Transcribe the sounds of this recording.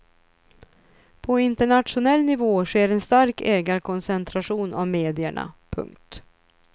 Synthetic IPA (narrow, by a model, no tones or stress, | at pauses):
pʰɔɪnt̪əɳat̪ʂʊnɛlːnɪvoːʂeːɾɛnst̪aɾkʰɛːɡaɾkʰɔnsɛnt̪ʰɾaɧuːna̰vmeːd̪ɪə̰ɳa̰pʰɵ̰ŋkt̪